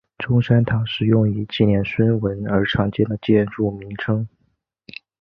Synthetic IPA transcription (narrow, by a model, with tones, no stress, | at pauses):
ʈ͡ʂʊ˥ŋʂa˥nt̪ʰɑ˨˩ʊʂɻ̩˥˧jʊ˥˩ŋy˨˧˩t͡ɕi˥˩njɛ˥˩nswə˥nwə˧˥nə˞˧˥ʈ͡ʂʰɑ˧˥ŋt͡ɕjɛ˥nd̪ə˨t͡ɕjɛ˥˧nʈ͡ʂu˥˩mi˧˥ŋʈ͡ʂʰɤ˥ŋ